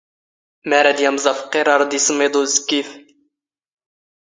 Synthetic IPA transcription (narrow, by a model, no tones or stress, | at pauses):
mæɾæd̪jæmzˤɑfqːeɾˤɑɾˤd̪isəmːed̪ˤuzkːif